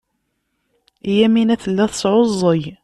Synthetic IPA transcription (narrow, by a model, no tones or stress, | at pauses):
jæminæθəlːæθsˤʕozˤːəj